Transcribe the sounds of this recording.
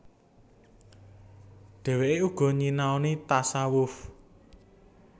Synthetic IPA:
ɖ̪̥ɛ̤weʔeuɡ̥ɔ̤ɲinaonit̪asawʊf

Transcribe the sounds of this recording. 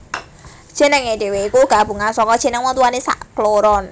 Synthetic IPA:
d͡ʒ̥ɛ̤nəŋed̥e̤weikuɡ̥a̤b̥ṳŋansɔkɔ̥e̤nəŋwɔt̪uwanesa̰ʔkloɾɔn

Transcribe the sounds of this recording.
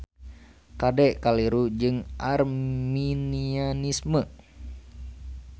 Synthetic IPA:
kadɛʔkaliɾud͡ʒɨŋʔarminianismə

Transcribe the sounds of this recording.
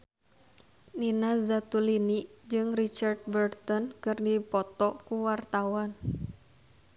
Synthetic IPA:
ninazat̪uliniʔd͡ʒɨŋrit͡ʃard̪̚bərt̪ɔnkɨrdipɔt̪ɔkuwart̪awan

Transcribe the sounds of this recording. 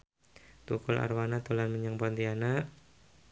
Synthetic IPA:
t̪ukula̰rwanat̪ulanməɲaŋbɔnd̪ianaʔ

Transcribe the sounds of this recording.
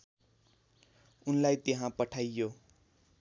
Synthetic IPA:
unlajt̪eɦãpʌʈʰajːo

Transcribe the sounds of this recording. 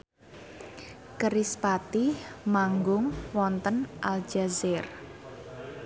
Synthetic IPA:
kəɾispat̪imaŋɡʊŋwɔnt̪ənʔald͡ʒ̥azɛr

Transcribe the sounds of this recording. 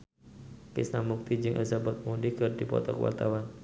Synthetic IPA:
kisnamːuk̚t̪id͡ʒɨŋʔasabat̪̚mundikɨrd̥ipɔ̰t̪ɔkwa̰rt̪awan

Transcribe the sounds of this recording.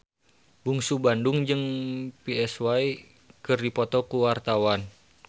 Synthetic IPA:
buŋsubanduŋd͡ʒɨŋpiɛswai | kɨrdipɔt̪ɔkuwart̪awan

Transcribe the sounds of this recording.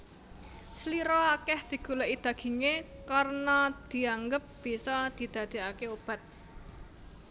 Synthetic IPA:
səliɾɔakɛhd̪̥i̤ɡ̥ṳlɛʔid̪̥a̤ɡ̥i̤ŋekarnad̪̥i̤aŋɡəp̚b̥isɔd̪̥i̤d̪̥ä̤d̪̥e̤akeob̥ä̤t̪̚

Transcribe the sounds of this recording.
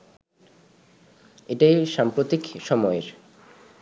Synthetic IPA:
eʈajʃampɾot̪ikʃɔmɔeɾ

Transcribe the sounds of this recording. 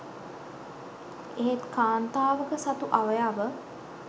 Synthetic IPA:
eɦet̪kaːnt̪aːʋəkəsat̪uʔaʋəjaːʋə

